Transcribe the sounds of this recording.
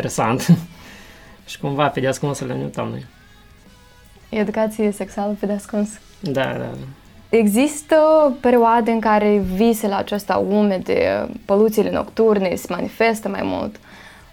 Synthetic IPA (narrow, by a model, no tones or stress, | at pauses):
eɾesant̪ | ʃi̥kumvaped̪ʲeaskunsulenʲut̪a̰mnṵj | ed̪ukat̪sijeseksualəped̪ʲeaskuns | d̪a̰d̪a̰a | eɡzist̪əpe̞ɾioad̪eɨŋkaɾeviselaːt͡ʃast̪a̰umed̪ḛpo̞lut̪sileno̞̰kt̪urnesemanifest̪əma̰jmṵlt̪